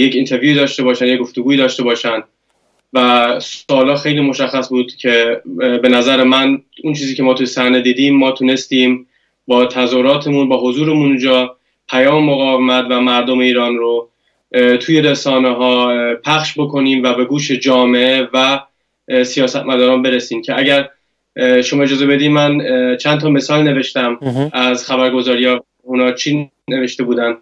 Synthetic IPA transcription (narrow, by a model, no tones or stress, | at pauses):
jecint̪ʰe̞ɾvjuːiːd̪ɒːʃt̪e̞bɒːʃænjek̚ɡo̞ft̪oɡuːiːd̪ɒːʃt̪e̞bɒːʃænd̪̥ | væsɒːlɒːxe̞jliːmo̞ʃæxːæsbuːd̪̥cʰe̞be̞næzæɾemænunt͡ʃʰiːziːcʰe̞mɒːt̪ʰujesæɾned̪iːd̪iːmːɒːt̪ʰune̞st̪iːm | bɒːt̪ʰæzoɾɒːt̪ʰe̞munbɒːɦozuːɾemunud͡ʒɒː | pʰæjɒːmemo̞ɣɒːvemæt̪væmæɾd̪ome̞iːɾɒːnɾo | t̪ʰuje̞ɾesɒːneɦɒːpʰæxʃbo̞kʰo̞niːmvæbe̞ɡuːʃe̞d͡ʒɒːme̞evæ | sijɒːsæt̪mæd̪ɒːɾɒːnbe̞ɾesiːmcʰe̞æɟæɾ | ʃo̞mɒːe̞d͡ʒɒːzebe̞d̪iːmænt͡ʃʰænt̪ʰɒːme̞sɒːlne̞ve̞ʃt̪æmʔæzxæbæɾɡo̞zɒːɾijɑ | unɒːt͡ʃʰi | neve̞ʃt̪e̞buːd̪ænd̪